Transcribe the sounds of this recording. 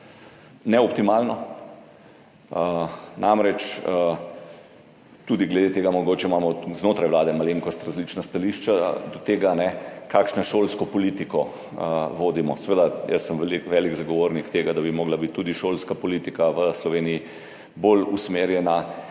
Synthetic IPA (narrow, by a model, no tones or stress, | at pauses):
nɛɔpt̪imaːlnɔ | ənamɾɛt͡ʃə | t̪uːd̪iɡlɛd̪et̪eːɡamɔɡoːt͡ʃɛmaːmɔznoːt̪ɾajʋlaːd̪ɛmaleŋkɔst̪ɾazlit͡ʃnast̪aliʃt͡ʃad̪ɔt̪eːɡanɛkakʃnɔʃoːlskɔpɔliːt̪ikɔ | ʋoːd̪imɔsɛʋeːd̪ajɛsːəmʋlikʋɛliɡzaɡɔʋoːɾnikt̪eːɡad̪abimoːɡlabit̪ːuːd̪iʃolskapɔlit̪ikaʋəslɔʋeːnii | bolusmeːɾjɛna